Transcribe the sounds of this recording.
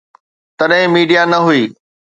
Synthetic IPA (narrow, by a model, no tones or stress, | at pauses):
t̪ɐɗɦɪ̃miːɖijanɐɦʊiː